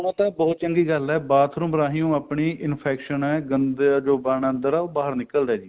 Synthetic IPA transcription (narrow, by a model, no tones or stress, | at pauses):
ʊnãːt̪ãːbɔːt̪̚t͡ʃəŋɡiːɡəlɛːbaːt̪ʰɾũːməɾaːɦijõːapɳiːʔɪnpʰɛːkʃənɛːɡənd̪d͡ʒoːbaːɳənd̪əɾɛːoːbaːɦəɾnɪkəld̪ɛːd͡ʒiː